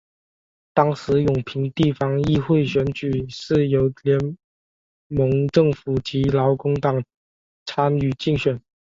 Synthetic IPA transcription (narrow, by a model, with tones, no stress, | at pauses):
t̪ɑ˥ŋʂɻ̩˧˥jʊ˨˩ŋpʰi˧˥ŋt̪i˥˩fɑ˥ŋi˥xwe˥˩ɪɕɥɛ˧˥nt͡ɕy˨˩ʂɻ̩˥˩jo˧˥ʊljɛ˧˥n | mɤ˧˥ŋʈ͡ʂɤ˥˩ŋfu˨˩t͡ɕi˧˥lɑ˧˥ʊkʊ˥ŋt̪ɑ˨˩ŋ | t͡sʰa˥ny˨˩t͡ɕi˥˩ŋɕɥɛ˨˩˦n